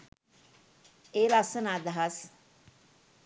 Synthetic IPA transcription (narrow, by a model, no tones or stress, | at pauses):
eːlasɐnaːd̪ɐɦas